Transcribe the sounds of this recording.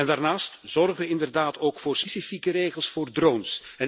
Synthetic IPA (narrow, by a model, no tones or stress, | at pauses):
ɛndaːrnaːstz̥ɔrɣəʋəɪndərdaːtoːkfoːrspesifikəɾeːɣəlˠsfoːrdronsɛn